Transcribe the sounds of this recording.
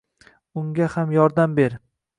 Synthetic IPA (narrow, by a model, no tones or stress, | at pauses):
ʊŋɡʲahamjɒɾd̪ambe̞ɾ